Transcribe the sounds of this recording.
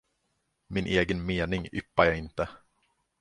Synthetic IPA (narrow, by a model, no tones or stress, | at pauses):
mɪnʔeːɡənmeːnɪŋʏpːaɾjaːɪnt̪ə